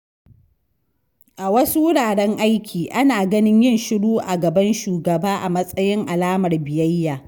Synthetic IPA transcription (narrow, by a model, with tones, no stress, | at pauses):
ʔa˨wɐ˦su˦wʊ˦ɽaː˨ɽɛ˦ŋʔa˦jkʲʰiː˨ʔa˦naː˨ɡɐ˦nɪ˦ɲjɪ˦˨nʃɪ˦ɽuː˦ʔa˨ɡɐ˨bɐ˦nʃuː˨ɡɐ˨baː˦ʔa˨mɐ˦sʼɐ˦jɪ˦ŋʔa˨laː˦mɐ˨rbɪ˨jɐ˦jːaː˨